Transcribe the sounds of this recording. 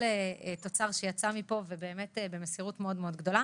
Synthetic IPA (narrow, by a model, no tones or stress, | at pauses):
eto̞t͡saʁʃejat͡samipo̞vebe̞ːme̞tbemesiʁutmeo̞dmeo̞d̪ɡdo̞la